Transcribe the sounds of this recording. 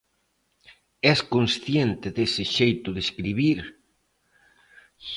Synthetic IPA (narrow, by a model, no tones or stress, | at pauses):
ɛskonsθjent̪ɪðesɪʃejt̪ʊðeskɾiβiɾ